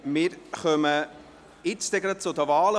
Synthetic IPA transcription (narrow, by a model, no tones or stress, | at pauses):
mɪːɾχœmə | ɪst̪eɡɾət͡sʊd̪əʋɑːlə